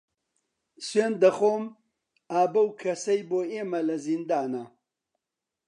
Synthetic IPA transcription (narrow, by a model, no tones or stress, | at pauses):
sweːnd̪ɐχoːm | aːbɐwkʰɐsɐjboːeːmɐlɐzind̪aːnɐ